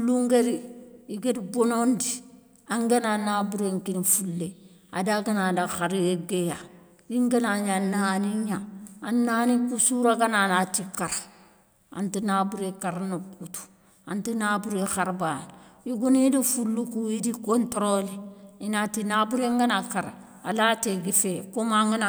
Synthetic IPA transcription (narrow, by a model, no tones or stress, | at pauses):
ulːuŋɡeɾiiɡedibonondi | aŋɡananabuɾeŋkinifulːe | a̰daɡanadaxaɾeɡeja | jiŋɡanaɲanaːniɲaanːaːnikusuɾaɡananatikaɾ | a̰ntinaːbuɾekaɾnokutu̥ | antinabuɾexaɾbanjiɡunidifulːukujidikontoɾoliinatinabuɾeŋɡanakaɾ̰ | a̰lateɡifekomaŋɡana